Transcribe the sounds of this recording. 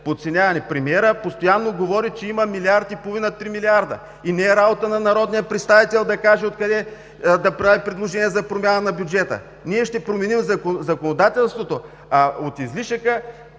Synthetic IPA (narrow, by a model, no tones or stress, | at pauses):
pot̪sɛnʲavɐnɛpɾɛmiɛɾəpost̪ojanːoɡovɔɾit͡ʃɛimɐmiliaɾt̪ipoovinɐt̪ɾimiliaɾd̪ə̰ | inɛːɾabot̪ənɐnɐɾɔd̪nijəpɾɛt̪st̪avit̪ɛlˠd̪ɐkaʒɛot̪̚kɐd̪ɛ | d̪ɐpɾavipɾʲɛd̪lˠoʒɛnʲiɛzɐpɾomʲjanənɐbjud͡ʒɛt̪ə̰ | niɛʃt̪ɛpɾomɛnimzɐkozɐkonod̪at̪ɛlˠst̪vot̪o | aot̪izliʃəkə